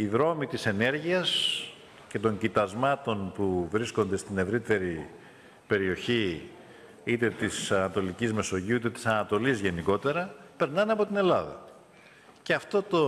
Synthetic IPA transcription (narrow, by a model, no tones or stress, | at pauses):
iðɾo̞mit̪ise̞ne̞ɾʝiɐs | ce̞t̪o̞ɲɟit̪ɐzmɐt̪o̞npuvɾisko̞nd̪e̞st̪ine̞vɾit̪e̞ɾi | pe̞ɾio̞çi | it̪e̞t̪isɐnɐt̪o̞licizme̞so̞ʝiuit̪e̞t̪i̥sɐnɐt̪o̞lizʝe̞niko̞t̪e̞ɾɐpe̞ɾnɐnɐpo̞t̪ine̞lɐðɐ̰ | ce̞ɐft̪o̞t̪o̞